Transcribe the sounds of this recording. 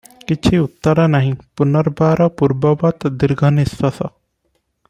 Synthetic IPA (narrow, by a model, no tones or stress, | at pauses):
kit͡ʃʰiut̪ːəɾanaɦĩpunɔɾbaɾɔpuɾbɔbɐt̪d̪iɾɡʱɐnisʋɐsɔ